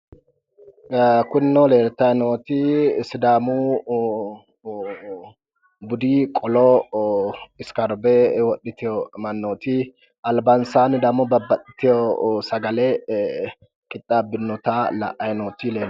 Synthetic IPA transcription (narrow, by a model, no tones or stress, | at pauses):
kʊnːɔleːɾt̪ɐjnoːt̪isɪd̪aːmu | bʊd̪iːkʼɔlɔ | ɪskɐɾbɛwɔɗːɪt̪ɪjɔmɐnːoːt̪i | ɐlbɐnsaːnd̪ɐmɔbɐbːɐtːɪ̥t̪ɪjɔsɐɡɐlɛ | kʼɪt̪ʼːaːbɪnːɔt̪alɐ̰ʔɐjnoːt̪ileːn